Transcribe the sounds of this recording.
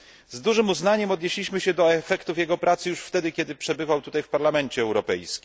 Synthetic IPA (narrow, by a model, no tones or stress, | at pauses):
zd̪uʐɘmuznaɲɛmɔd̪ɲeɕlʲiɕmɘɕɛd̪ɔɛfɛkt̪ufjɛɡɔpɾʔat̪sɘjuʂft̪ɛd̪ɘkʲɛd̪ɘpʂɛbɘvawt̪ut̪ajfpaɾlamɛnt͡ɕɛːwɾɔpɛjskʲi̥m